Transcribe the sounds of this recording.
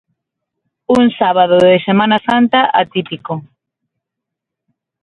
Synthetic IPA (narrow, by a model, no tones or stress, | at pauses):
uŋsaβ̞aðoððesemãnasant̪aʔat̪ipiko